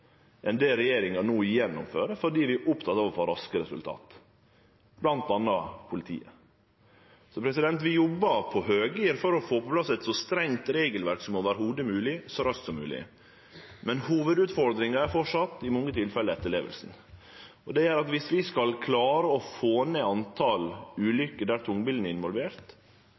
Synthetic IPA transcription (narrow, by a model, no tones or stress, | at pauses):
ʔɛnd̪eːlɾɛjeːɾɪŋɑnuːɪjɛnːʊmfø̰ːɾəfɔɖiːʋɪʔʊpt̪ʰɑt̪ːɑːʋəfɔɾɑskəɾɛsʉ̰lt̪ʰɑ̰ːt̪ | b̥lɑnt̪̚ɑnːɑpʰʊlɪt̪ʰḭːə | sɔpʰɾɛsɪd̪ɛnt̪ʋɪjɔbːɑpʰɔhøːɡiːəɾfɔɾɔfoːpɔpʰlɑsɛt̪sɔst̪ɾɛŋt̪ɾeːɡəlʋæɾksɔmɔʋæːɾəhuːd̪əmʉːlɪsɔɾœsk̪sɔmːʉ̰ːlɪ̰ | mɛnhuːʋəd̪ʉːt̪fɔɾd̪ɾɪŋɑæɾfɔʂɑt̪ːɪmɔŋːət̪ʰɪlfɛlːəɛt̪ːəɭḛːʋə̰lsn̩ | ɔd̪ɛæːɾɑt̪ʋɪsʋɪskɑlkʰlɑːɾəɔfoːneːɑnt̪ʰɑlʉːlʏkːəɖ̪æːɾt̪ʰʊŋbɪld̪n̩əɪnʋɔlʋeːɾt̪